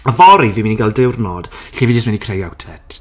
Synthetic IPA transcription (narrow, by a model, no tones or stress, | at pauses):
əvɔɾiviːminiɡalˠdɪwrnod̥ɬivid͡ʒɪstminikʰrejawtʰɛtʰ